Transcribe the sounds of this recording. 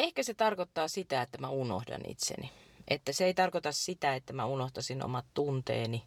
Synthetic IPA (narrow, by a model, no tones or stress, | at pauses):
ehkæset̪ɑrkot̪ːɑːsit̪æet̪ːæmæuno̰hdɑ̰nʔḭt̪sḛniʔḛt̪ːæseeit̪ɑrkot̪ɑssit̪æet̪ːæmæunoht̪ɑsino̰mɑt̪t̪unt̪ḛːni